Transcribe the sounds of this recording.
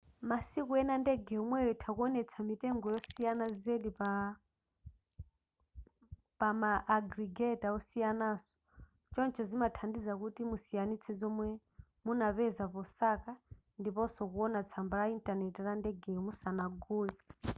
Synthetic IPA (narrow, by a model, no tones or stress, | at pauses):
masikuɛnandɛɡɛumwɛjɔtʰakuɔnɛt͡sʰamitɛŋɡɔjɔsijanazeɗipa | pamaʔːɡɾiɡɛtaɔsijanasɔ̥ | t͡ʃɔnt͡ʃʰɔzimatʰandizak̬utimusijanit͡sʰɛzɔmwɛ | munapɛzapɔsaka | ndipɔsɔkuɔnat͡sʰambaɾaintʼanɛtirandɛɡɛmusanaɡuːli